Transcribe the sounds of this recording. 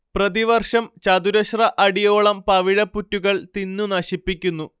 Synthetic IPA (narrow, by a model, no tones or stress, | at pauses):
prɐðiʋɐrʂɐmt͡ɕɐd̪uɾɐɕrɐʔɐɽijo̞ːɭɐmpɐʋiɻɐpːutːuɣɐɭt̪inːunɐɕipːikʲːunːu